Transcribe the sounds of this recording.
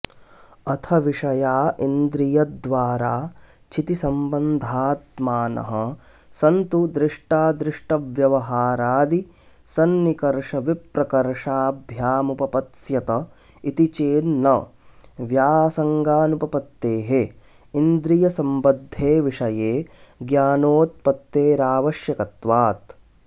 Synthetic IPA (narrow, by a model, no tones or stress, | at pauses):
ɐt̪ʰɐʋiʂɐjaːʔind̪ɾijɐd̪ʋaːɾaː | t͡ʃʰit̪isɐmbɐnd̪ʱaːt̪maːnɐ̰ɦɐ̆ | sɐnt̪ud̪ɾɪʂʈaːd̪ɾɪʂʈɐʋjɐʋɐɦaːɾaːd̪i | sɐnːikɐɾʂɐʋipɾɐkɐɾʂaːbʱjaːmupɐpɐt̪sjɐt̪ɐ | it̪it͡ʃeːnnːɐ̰ʋjaːsɐŋɡaːnupɐpɐt̪ːeːɦe | ind̪ɾijɐsɐmbɐd̪ʱːeːʋiʂɐjeːɡjaːnoːt̪̚pɐt̪ːeːɾaːʋɐʃjɐkɐt̪ʋaːt̪